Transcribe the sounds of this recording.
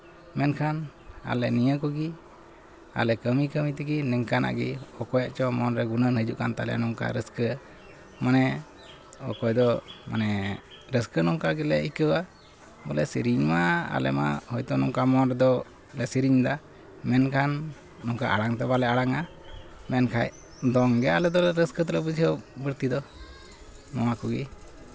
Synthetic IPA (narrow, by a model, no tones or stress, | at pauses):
mɛnkʰan | a̰lɛnijəkɔɡi | a̰lɛkəmikəmit̪ɛɡinɛŋkana̰ʔɡiɔkɔjaʔt͡ʃɔmɔnɾɛɡunənhəd͡ʒuʔkant̪alɛ̰nɔŋka̰ɾəskə | manɛ | ɔ̰kɔjd̪ɔma̰nɛ | ɾəskənɔŋkaɡilɛikəwa | bɔlɛsiɾiɲmaa̰lɛ̰ma̰hɔjt̪ɔnɔŋkamɔnɾɛd̪ɔ | lɛsiɾiɲd̪a | mɛnkʰanː | ɔŋkaʔaɽaŋt̪ɔbalɛaɽaŋa | mɛnkʰaj | d̪ɔŋɡɛalɛd̪ɔɛɾəskət̪ələpəd͡ʒʰiəbəɾt̪id̪ɔ | nɔakuɡi